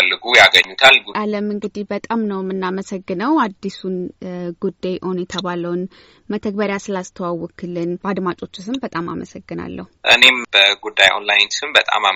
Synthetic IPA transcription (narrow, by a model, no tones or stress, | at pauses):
əlːɨɡujaɡəɲːut̪ʰalɡuʔaləmɨŋɡɨd̪ihbət̪ʼamnəwmɨnːaməsəɡːɨnəwad̪ːisunɡ̥ud̪ːajʔonjɛt̪ʰəβaləwn | mət̪ʰəɡ̚bəɾjasɨlast̪ʰəwawɔkʰɨlɨnbad̪mat͡ʃʼo̞t͡ʃːusɨmbət̪ʼama̰məsəɡːɨna̰lːə̰huʔɨ̰ne̞mbəɡud̪ːajʔo̰nlajnsɨmbət̪ʼa̰ma